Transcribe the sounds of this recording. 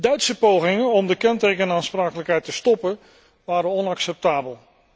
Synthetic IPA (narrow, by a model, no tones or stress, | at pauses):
dœɥtsəpowχɪŋənɔmdəkɛntejkənaːnspraːkələkɦɛjtəstɔpən | ʋaːɾənɔnɑksɛp̚taːbəlˠ